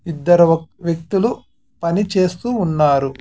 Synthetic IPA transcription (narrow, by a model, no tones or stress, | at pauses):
id̪ːɐɾɐʋjek̚t̪ulu | pɐnit͡ʃe̞ːst̪uːnːaːɾu